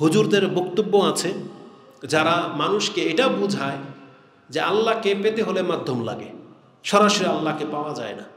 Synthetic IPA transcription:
ɦud͡ʑuɾd̪eɾbokt̪obːoat͡ɕʰe | d͡ʑaɾamanuʃkeeʈaobud͡ʑʱae | d͡ʑealːakepet̪eɦolemad̪ʱːomla̰ɡḛ | ʃɔɾaʃoɾialːakepaoad͡ʑa̰ena

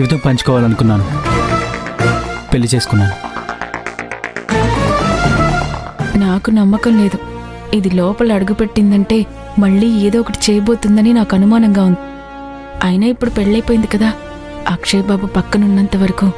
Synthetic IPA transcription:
uʋd̪ɐmpɐɲt͡ʃi̥kɔːʋaːlɐnukunːaːnu | pelːit͡ʃe̞ːsu̥kunːaːnu | naːkunɐmːɐkɐmle̞ːd̪u | id̪ilɔːpɐlɐɽuɡupe̞ʈːind̪ɐɳʈe̞ː | mɐɭːiːeːd̪ɔːɔkɐʈit͡ʃɛːjɐbo̞ːt̪und̪ɐninaːkɐnumaːnɐŋɡaːund̪i | ɐjnaːipːuɽupeɽɭɐjpoːjind̪ikɐd̪aː | akʂeːbaːbupɐkːɐnunːɐnt̪ɐʋɐɾɐku

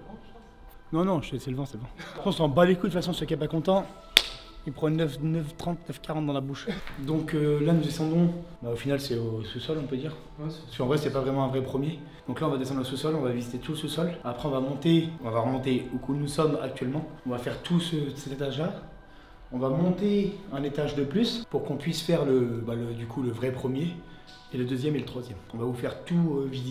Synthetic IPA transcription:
nɔ̃nɔ̃ʒɛsɛləvɑ̃sɛləvɑ̃apɔ̃sɑ̃balekud̪əfasɔ̃səkapakɔ̃t̪ɑ̃ | ilpχɑ̃nœfnœft̪χɑ̃t̪nœfkaʁɑ̃t̪̚d̪ɑ̃labuʃd̪ɔ̃kølanud̪esɑ̃d̪ɔ̃baofinalsɛosusɔlɔ̃pød̪iːʁ | skɑ̃vʁɛsɛpavʁɛmɑ̃ɛ̃vʁɛpχəmje | d̪̥ɔ̃klaɔ̃vad̪esɑ̃d̪ʁəsusɔlɔ̃vavizit̪et̪uləsusɔlapχɛɔ̃vamɔ̃t̪eɔ̃vaʁəmɔ̃t̪eukʰunusɔma̰k̚t̪ɥɛlmɑ̃ɔ̃vafɛʁt̪ʰusəsɛt̪et̪aʒla | ɔ̃vamɔ̃t̪eɛ̃net̪aʒd̪əplyspuʁkɔ̃pɥisfɛʁləbaləd̪ykʰuləvʁɛpχəmje | eləd̪øzjɛmelət̪χwazjɛmɔ̃vavufɛʁt̪uøvizi

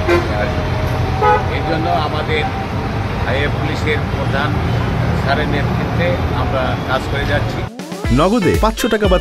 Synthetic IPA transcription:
as | ejd͡ʒɔnːoamad̪eɾ | ajeppuliseɾpɾod̪ʱansaɾenet̪ɾit̪ːeamɾakad͡ʒkɔɾed͡ʒatːt͡ʃʰi | nɔɡod̪epatʃʰoʈakaba

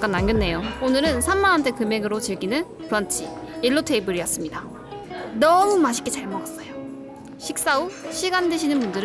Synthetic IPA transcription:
ak͈anːaŋɡjʌnːe̞joonɯɾɯnsʰamːanɦantʰe̞kɯme̞ɡɯɾot͡ɕɯɭɡinɯn | pʰɯɾʌnt͡ɕʰi | iɭːotʰeibɯɾijʌs͈ɯmɲida | nʌmumaɕʰi̥k͈et͡ɕaɭmʌɡas͈ʌjo | ɕʰik̚s͈auɕʰiɡandeɕʰinɯnbundɯɾɯ

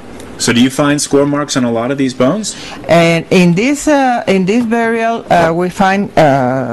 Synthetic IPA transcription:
soʊdɨjɨfãɪ̃nd̥skwɔɹmɑɹksn̩əlɔɾʌvðizbõʊ̃nz̥ | ɨ̃nɪ̃nðɪsɪ̃nðɪsbɛɹiəlˠwifãɪ̃n

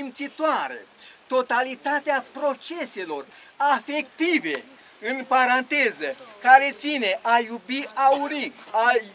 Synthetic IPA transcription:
imt̪sit̪oaɾḛt̪o̞t̪alit̪at̪eapɾo̞t͡ʃe̞se̞lo̞r | afe̞kt̪ive̞ | ɨnpaɾant̪e̞zəkaɾe̞t̪sine̞ʔajubiauɾiaj

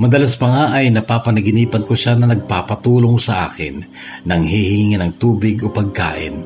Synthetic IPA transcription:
mɐd̪ɐlaspɐŋaʔɐjnɐpaːpɐnɐɡɪniːpɐnkoʃanɐnɐɡ̚paːpɐt̪uːlo̞ŋsɐʔa̰ːkɪ̰nː | ɐŋhihɪŋɪŋɪnɐŋt̪uːbɪɡopɐɡ̚ka̰ːʔɪ̰n

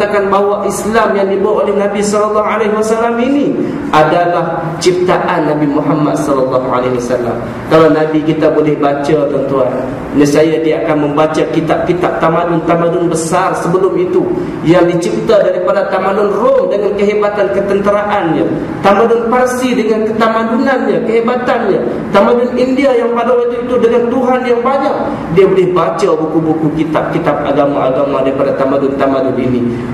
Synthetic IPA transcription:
akanbawaʔislamjaŋdibaaʔolɛhnabisɔlɔlːɔɦaleɦwasalamini | adalah | t͡ʃip̚t̪aʔanːabimuɦamːad̪̚sɔlɔlːɑɦa̰leɦwasalːa̰m | kalawnabikit̪abolɛhbat͡ʃat̪ənt̪uan | nasajadiaakanməmbat͡ʃakit̪ap̚kit̪ap̚t̪amanʊnt̪amanʊnbəsarsəbəlʊmit̪u | jaŋdit͡ʃip̚t̪adaɾipadat̪amanʊnrɔmdəŋankəɦebat̪ankət̪ənt̪əɾaʔanɲa | t̪amadʊnparsidəŋankət̪amãdunanɲakəɦebat̪anɲa | t̪amadʊnindiajaŋpadawat̪uit̪udəŋant̪uɦanjaŋbadaŋ | diabolɪhbat͡ʃabukubukukit̪ap̚kit̪ap̚a̰ɡama̰ʔa̰ɡamadaɾipadat̪amãndʊnt̪amãnʊnḭni

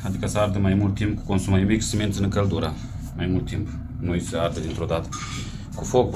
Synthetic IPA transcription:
ad̪ikəsəard̪əmajmult̪ːimp̚ku̥ko̞nsumajmikʲsement̪sʲɨnkəld̪uɾə | majmult̪ːimp | nojsəard̪əd̪int̪ɾo̞d̪at̪ə̥ | kufok̚b

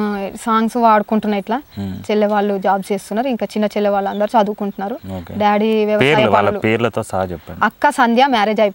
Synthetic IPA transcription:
saːŋɡsʋaːɽukuɳʈunːɐjiʈlaːt͡ʃelːeːʋaːɭːud͡ʒaːbseːst̪unːaːɾuiŋkaːt͡ʃinːɐt͡ʃelːeːʋaːɭːɐnd̪ɐɾut͡ʃɐd̪ukuɳʈunːaːɾuoːkeɖjaːɽiʋjɐʋɐːɾaʋaːlɐlupeːɾulɐt̪o̞ːsaɦɐt͡ʃɛpːɐɳɐkːasɐnd̪ʱjaːmaːɾeːd͡ʒɐjp

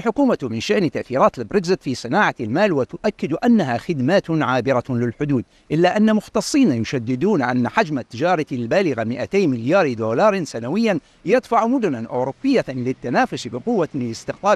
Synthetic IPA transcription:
lħʊkuːmat̪mɪnʃaʔnt̪ːaʔθiːɾɑːt̪lɪbɾɪkzɪt̪fisˤɨnaːʕalmaːlwɪt̪ʊʔakːɪd̪ʔanːaɦaxɪd̪maːt̪ʕaːbɪɾalɪlħʊd̪uːd̪̚ | ʔɪlːaʔanːamʊxt̪ɑsˤːiːnajʊʃad̪ːɪd̪uːnʕanːħad͡ʒmat̪ːɪd͡ʒɑːɾˤɑɪlbaːlɪɣamɪʔat̪eːmɪljaːɾd̪oːlɑːɾˤsanawɪjːan | jɪt̪ˤfaʕmʊd̪ʊnanʔoːɾubːɪjːalɪt̪ːanaːfʊsbɪqʊwːaɪlɪst̪ɪqt̪ˤɑː

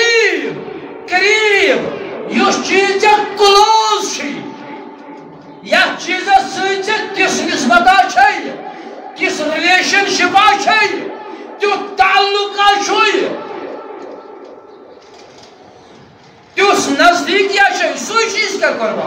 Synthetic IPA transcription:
ijkɾiɾibjost͡ʃizt͡sʲɐklozt͡ʃʰij | jat͡ʃizɐsɨjt͡sɐt̪isnisbɐt̪aːt͡ʃʰɐj | t̪isɾileːʃɐnʃipaːt͡ʃʰɐjt̪ut̪aːlːuknaːt͡ʃʰuj | t̪isnɐzd̪iːkjat͡ʃʰɐjsujt͡ʃizt̪ɐkɐɾʋa̰

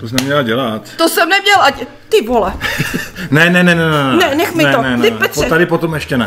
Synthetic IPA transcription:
t̪osɛmɲɛlaɟɛlat̪t̪osɛmnɛmɲɛlʔaɪ | t̪ɪvɦolɛ | nɛnɛnɛnɛnɛnɛnɛnɛxmɪnɛt̪onɛɪpɛt̪sɛt̪adɪpot̪omɛʃcɛnɛ

